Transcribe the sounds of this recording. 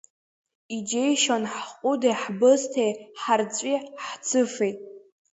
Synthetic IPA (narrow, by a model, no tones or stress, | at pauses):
id͡ʒejʃanħqʼʊdejħbɨztʰejħart͡sʷʼiħt͡sʰɨfejtʼ